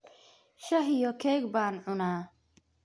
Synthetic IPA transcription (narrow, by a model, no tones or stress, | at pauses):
ʃɐɦjɔkʰɛːɡbaːnʕʊnaː